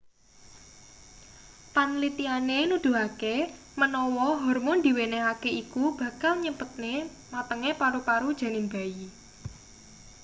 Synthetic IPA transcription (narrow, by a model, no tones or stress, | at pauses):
panlit̪ianenud̪̥ṳɦake | mənɔwɔɦɔrmɔnd̪i̤weneakeikub̥ä̤kalɲəmpət̪̚ne | mat̪əŋepaɾupaɾud̥ʒ̥ä̤nɪmba̤i